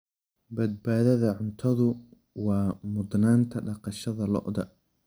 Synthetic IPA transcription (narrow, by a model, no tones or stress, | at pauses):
bɐd̪̚baːðɐðɐʕʊnt̪ʰɐðʊ | wɑːmʊd̪naːnt̪ʰɐɖɑqɑʃɐðɐlɔ̰ʔd̪ɐ